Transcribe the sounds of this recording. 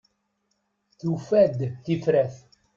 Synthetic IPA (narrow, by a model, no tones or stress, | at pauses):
θufæd̪θifɾæθ